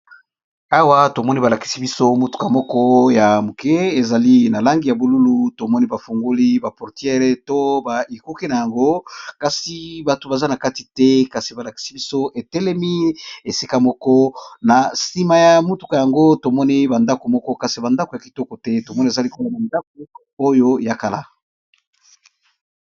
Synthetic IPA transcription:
a˦wa˦to˨mɔ˦ni˦ba˨la˨ki̥˨si˦bi˦so˦mo˦tu̥˨˦ka˨mɔ˦kɔ˦ja˨mu˨kɛ˦e˨za˨li˦na˨la˦ŋɡi˨ja˨bu˨lu˦lu˦to˨mɔ˦ni˦ba˨fo˨ŋɡo˦li˦ba˨pɔ˨ʁtjɛ˦ʁɛ˨to˦ba˨i˨ku˦ki˦na˨ja˨ŋɡo˦ka˨si˨ba˨to˨ba˨za˦na˨ka˦ti˨tɛ˦ka˨si˨ba˨la˨ki̥˨si˦bi˦so˦ʔe˨tɛ˦lɛ˦mi˦e˨si˦ka˦mɔ˦kɔ˦na˨si˦ma˦ja˨mo˦tu˦ka˨ja˨ŋɡo˦to˨mɔ˦ni˦ba˨nda˦ko˨mɔ˦kɔ˦ka˨si˨ba˨nda˦ko˨ja˨ki˨tɔ˦kɔ˨tɛ˦to˨mɔ˦ni˦e˨za˦li˦ko˦la˦na˨nda˦k̚o˨˦ | o˦jo˦ja˨ka˨la̰˨

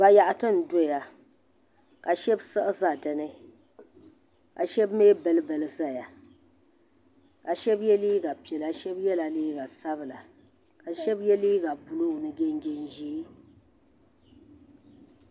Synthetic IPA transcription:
ba˨ja˨ʔa˨tɨ˦n̩˨do˦ja˨ | ka˨ʃɛ˦bsɨ˦ʔɨ˦za˨dɨ˨nɨ˦ | ka˨ʃɛ˦bmeː˦bɛ˨lɨ˦bɛ˨lɨ˦za˦ja˨ | ka˨ʃɛ˦bjɛ˦liː˦ɡa˨pi˨ɛ˨la˦ʃɛ˦bjɛ˦la˨liː˦ɡa˨sa˦bɨ˨la˨ | ka˨ʃɛ˦bjɛ˦liː˦ɡa˨bʊ˨lo˦˨nɨ˦ɡɛ˦ŋ˦ɡɛ˦n˦ʒiː˦

